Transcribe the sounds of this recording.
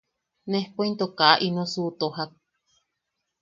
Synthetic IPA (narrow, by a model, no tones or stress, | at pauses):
nẽhpoint̪okaʔʔinõsuːt̪oɦak̚